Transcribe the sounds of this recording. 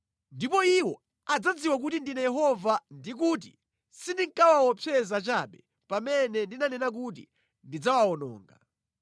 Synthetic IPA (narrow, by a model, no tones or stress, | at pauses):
ndipɔiwɔ | ad͡zad͡ziwak̬utindinajɛɦɔvandik̬uːt̬i | sindiŋkawawɔpʰɛzat͡ʃaɓɛ | pamɛnɛndinanɛnak̬ut̬ḭ | ndid͡zawaɔnɔ̰ːŋɡa̰